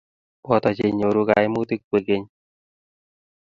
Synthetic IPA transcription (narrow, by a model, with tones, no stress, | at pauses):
wɔ˨tɔ˨t͡ʃe˨ɲo˨ɾu˦ka˨i˦mu˦ti˦k̚ːwe˨ke˦ɲ